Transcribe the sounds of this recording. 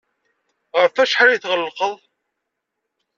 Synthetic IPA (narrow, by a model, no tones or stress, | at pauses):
ʁəɾfæʃħaɾjiθʁəlːqəðˤ